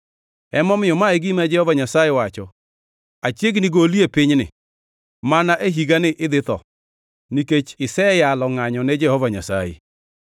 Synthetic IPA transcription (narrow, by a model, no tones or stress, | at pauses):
ɛmɔmɪɔmaeɡimad͡ʒɛhɔvaɲasajewat͡ʃɔ | at͡ʃjeɡiniɡoliepɪɲnɪ̰ | manaʔeɦiɡanɪʔɪðɪtɔ̰ | niket͡ʃɪsɛjalɔŋaɲɔned͡ʒɛhɔvaɲa̰sa̰jḛ